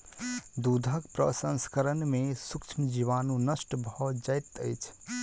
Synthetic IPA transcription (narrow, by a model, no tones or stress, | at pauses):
d̪ud̪ʱəkpɾə̰sə̃nskəɾənmesukt͡ʃʰmd͡ʒiʋanunəsʈbʱɔd͡ʒəjt̪əjt͡ʃʰ